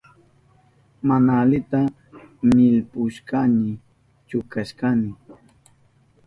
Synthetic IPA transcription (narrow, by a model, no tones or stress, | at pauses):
manaːlɪt̪a | mɪlpʊʃkanɪ | t͡ʃʊkaʃkanɪ